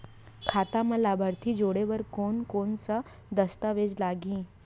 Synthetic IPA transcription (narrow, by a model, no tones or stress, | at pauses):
kʰat̪aməlabʱaɾt̪ʰiːd͡ʑoɽeʋəɾkoɳkoɳt͡sa | d̪əst̪aʋed͡zlaɡĩː